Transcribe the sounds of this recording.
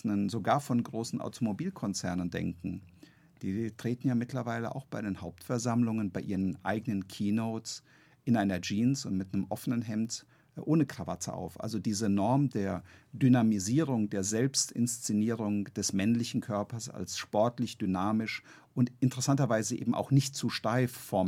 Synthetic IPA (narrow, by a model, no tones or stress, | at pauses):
nənzoɡaːɐfɔnɡʁoːsn̩ʔa̰ʊtʰomobiːlkʰɔnt͡sɛɐnəndɛ̰ŋkŋ̩ | d̥iːtʁ̥eːtn̩jaːmɪtlɐvaɪlə̰ʔa̰ʊxb̥aɪɾeːnhaʊp̚tfɛɐzamlʊŋənbaɪʔiːʁənʔa̰ɪɡənənkʰiːnoʊts | ʔɪnʔaɪnɐd͡ʒiːnsʊntmɪtnəmʔɔfənənɦɛmt | ʔoːnəkʁ̥avatə̰ʔa̰ʊfʔa̰lzodiːzənɔɐmdeːɐdynamiziːʁ̞ʊŋdeːɐzɛlpstɪ̰nst͡sɪniːʁʊŋd̥ɛsmɛnlɪçn̩kʰœɐpɐsa̰lsʃpɔɐtlɪçd̥ynaːmɪʃ | ʔʊntʔɪntəʁɛsantɐvaɪzəʔḛːbm̩ʔa̰ʊxnɪçtt͡suːʃtaɪffɔɐm